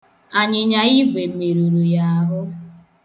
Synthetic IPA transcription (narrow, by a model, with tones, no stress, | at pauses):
a˨ɲɪ˨ɲa˨i˦ɡʷe˨me˨ɾu˨ɾu˨ja˨a˨ɦʊ˦